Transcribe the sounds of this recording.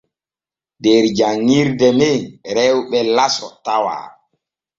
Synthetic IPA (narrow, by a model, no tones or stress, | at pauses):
dɛɾd͡ʒaŋːiɾdɛmɛɾɛwɓɛlasɔ̰tawa̰ː